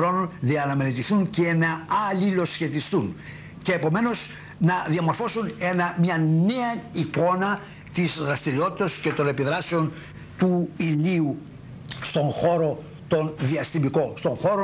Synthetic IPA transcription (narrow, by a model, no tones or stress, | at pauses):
ɾo̞nonðiɐnɐmenet̪iθuncenɐɐlilo̞sçe̞t̪ist̪un | ceːpo̞me̞no̞s | nɐðiɐmo̞ɾfo̞sune̞nɐmɲɐne̞ɐiko̞nɐ | t̪izðɾɐst̪iɾio̞t̪i̥t̪ɐsce̞t̪o̞ne̞piðɾɐseo̞n | t̪uiniu | st̪o̞ŋxo̞ɾo̞ | t̪o̞nðiɐst̪imiko̞st̪o̞ŋxo̞ɾo